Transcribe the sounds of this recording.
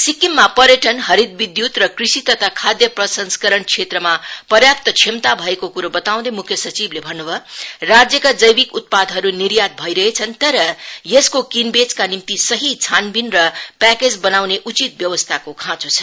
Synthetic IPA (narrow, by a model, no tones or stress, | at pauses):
sikimːapʌɾjʌʈʌnɦʌɾid̪̚bid̪jut̪rʌkrisit̪ʌt̪ʰakʰad̪jʌprʌsʌnskʌɾʌɳkʰet̪rɾʌmapʌɾjap̚t̪ʌt͡sʰimt̪abʱʌekokuɾobʌt̪aw̃d̪emukʰjʌsʌt͡siblebʱʌnːubʱʌrad͡zjʌkad͡zʌjbikut̪̚pad̪ʱɦʌɾuniɾjat̪̚bʱʌjɾʌɦet͡sʰʌnt̪ʌɾʌjeskokinbet͡skanimt̪isʌɦit͡sʰanbinrʌpæked͡zbʌnawneʔut͡sit̪̚bjʌwʌst̪ʰakokʰãt͡sut͡sʰʌ̥